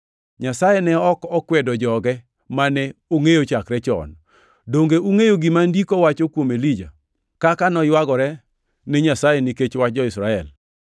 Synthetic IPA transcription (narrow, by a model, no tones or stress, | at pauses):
ɲasajɛnɛɔkɔkwɛdɔd͡ʒɔɡɛ | manɛoŋejot͡ʃakɾɛt͡ʃɔ̰n | doŋɡeuŋejoɡɪmandikɔwat͡ʃokwomelid͡ʒa | kakanɔjwaɡɔɾɛ | neɲasajeniket͡ʃwat͡ʃ̚d͡ʒɔɪsɾaɛ̰l